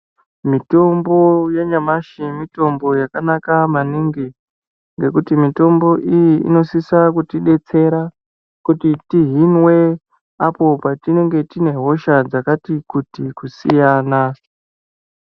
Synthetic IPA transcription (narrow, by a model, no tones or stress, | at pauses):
mito̞mbo̞jeɲamaʃimito̞mbo̞jakanakamaniŋɡi | ŋɡe̞kutimito̞mbo̞ʔijiḭno̞sisakutiɗe̞t͡se̞ɾa | kutitiɦinwe̞ | apo̞patino̞ŋɡe̞tine̞ɦo̞ʃad͡zakatikutikusijaːna